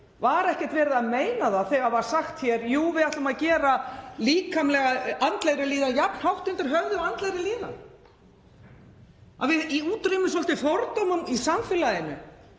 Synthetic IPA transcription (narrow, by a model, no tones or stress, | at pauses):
vaɾɛhcɛ̥t̪vɛːɾɪðaðmeːjnaðaθɛɣavaɾ̥saxt̪çɛɾjuːvɪðaht̪ʏmaðcɛːɾaliːkʰamlɛɣaant̪lejɾɪliːðajapn̥hawht̪ʏnt̪ɪɾ̥ɦœɣðʏant̪lejɾɪliːða̰ | a̰ðvɪiuːt̪ɾeɪmɪsɔl̥t̪ɪfɔɾt̪owmʏmisamfɪlajɪnʏ̰